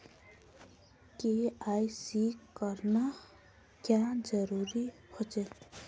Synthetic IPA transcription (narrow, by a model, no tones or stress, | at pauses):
keaːisiːkkəɾna | kjad͡ʒəɾuːɾihot͡ʃe